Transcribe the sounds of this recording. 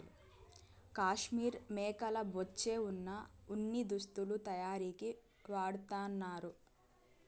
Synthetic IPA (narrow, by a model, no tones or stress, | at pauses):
kaːʂmiːɾmɛːkɐlɐbot͡ʃːe̞ːunːɐunːid̪ust̪ulut̪ɐjaːɾiːki | ʋaːɽut̪aːnːaːɾu